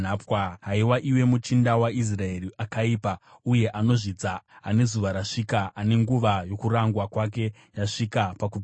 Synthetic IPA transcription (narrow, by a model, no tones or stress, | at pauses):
apwaɦaiwaʔiwe̞mut͡ʃindawais̬rae̞riʔakaiːpa | uje̞ʔano̞ʐid͡zaːne̞zuʋaɾaʂikaʔːne̞ŋɡuʋajo̞kuɾaŋɡwakwak̬e̞ | jaʂikapaku